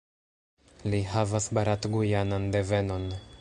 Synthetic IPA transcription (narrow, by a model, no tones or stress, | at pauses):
liɦavasbaɾatɡujanande̞ve̞no̞n